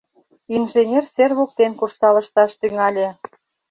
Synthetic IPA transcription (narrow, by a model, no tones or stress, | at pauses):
inʒenʲerserβok̚t̪enkuʃt̪ɑlə̆ʃt̪ɑʃt̪yŋɑlʲĕ